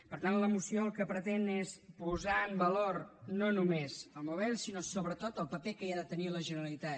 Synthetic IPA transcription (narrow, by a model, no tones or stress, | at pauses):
pəɾt̪anləmusioəlˠkəpɾət̪enespuzaəmbəlornonumezəlˠmuβɛlˠsinosoβɾət̪ot̪əlˠpəpekəiaðət̪əniləʒənəɾəlˠit̪a